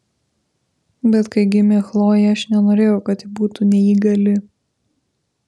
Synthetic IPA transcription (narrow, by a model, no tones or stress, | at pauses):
bʲɛt̪kɐɪɡʲɪmʲexlˠoːjɛɐʃnʲɛnoːɾʲeːjɛʊkɐt̪ɪbuːt̪uːnʲɛiːɡɐlʲɪ